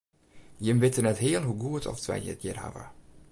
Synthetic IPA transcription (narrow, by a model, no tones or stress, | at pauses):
jəmʋɪtənɛtɦeːəlˠɦuɡuətʰɔ̰ftʋɛ̰jjə̰ətjərɦa̰və̰